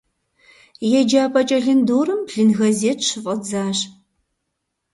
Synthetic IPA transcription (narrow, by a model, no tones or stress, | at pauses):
jɛd͡ʒaːpʰʼɐt͡ʃʼɐɮɨndoːɾɨmɮɨnɣɐzeːtɕɨfʼɐd͡zaːɕ